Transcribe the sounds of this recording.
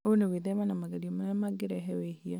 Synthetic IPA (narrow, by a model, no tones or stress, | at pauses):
oneweðɛβanamaɡaɾiɔmaɛmaɡɪɾɛɦɛwɛhia